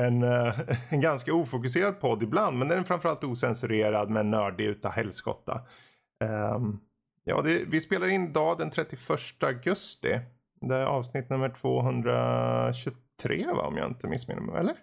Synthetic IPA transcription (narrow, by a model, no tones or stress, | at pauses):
ɛn | ɡanskauːfʊk̬ɵs̬eːɾad̪̚pʰɔd̪ːɪbland̪mɛnd̪ɛnfɾamfœɾalt̪uːsɛnsɵɾeːɾad̪mɛnːœːɖɪʉ̟ːt̪ahɛlːskɔ̰t̪ːa̰ | jɑ̰ːd̪ɛvɪspeːlaɾɪnːɪd̪ɑːd̪ɛnt̪ʰɾɛt̪ːɪfœʂʈəaɡɵst̪ɪ̰ | d̪ɛæɾʔɑːvsnɪt̪̚ːnɵmːəʈʰv̥oːɦɵnd̪ɾa̰ɕɵt̪ʰɾeːva̰ɔ̰mja̰ːɪ̰nt̪əmɪ̰sːmḛnɪ̰mɛ̰ɛ̰lːəɾ